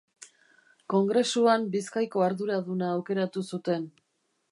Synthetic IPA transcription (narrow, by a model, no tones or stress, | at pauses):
ko̞ŋɡɾe̞suambiskajko̞aɾðuɾaðunaːwke̞ɾat̪usut̪e̞n